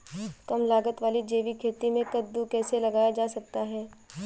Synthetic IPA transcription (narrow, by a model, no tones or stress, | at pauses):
kɐmlaːɡət̪ʋaːlid͡ʒeːʋikʰeːt̪imẽkɐd̪ːukɛːselɐɡaːjad͡ʒaːsɐk̚t̪aɦɛː